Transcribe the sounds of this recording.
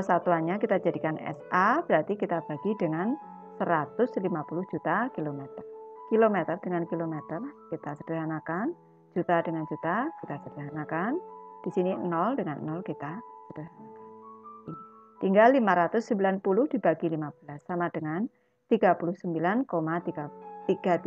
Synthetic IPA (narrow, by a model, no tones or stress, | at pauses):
sat̪uanɲakit̪ḁd͡ʒadikanɛ̰sab̥əɾart̪ikit̪ab̥aɡ̥idəŋan | səɾat̪ʊslimapulʊhd͡ʒut̪akilomet̪ərkilomet̪ərd̥əŋankilomet̪ərkit̪asəd̥əɾɦanakan | d͡ʒ̥ut̪adəŋand͡ʒut̪akit̪asəd̥əɦanakand̥isininɔld̥əŋannːɔlkit̪asəd̥əɦanakanint̪iŋɡalːimaɾat̪ʊsːəmbilanpulʊhd̥ib̥aɡilimab̥əlasːamad̥əŋan | t̪iɡ̥apulʊhsəmbilankomat̪iɡat̪iɡ̥a